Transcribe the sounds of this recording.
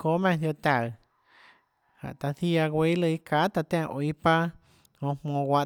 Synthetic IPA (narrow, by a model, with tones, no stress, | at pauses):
ko˦mɛ̃˧˨d̪jo˧t̪a˧˨ɰ | hã̰˨ʔt̪a˧θi˦a˧ɡwe˧˦lə˧i˦ka˨˦t̪a˧t̪ã˦˧˨ʔo˧˨i˦pa˦ | hõ˧˨mmõː˧ɡʷwa˧ʔ